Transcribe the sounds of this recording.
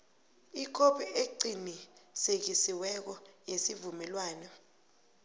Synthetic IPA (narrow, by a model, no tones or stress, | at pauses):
ik̬ʰʼoɓɛeǀinisek̬isiwɛk̬ɔjesivumɛlwaːnɛ